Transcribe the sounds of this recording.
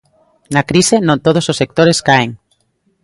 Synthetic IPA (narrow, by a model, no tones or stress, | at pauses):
nakɾisenõnt̪oð̞ososːek̚t̪oɾeskaeŋ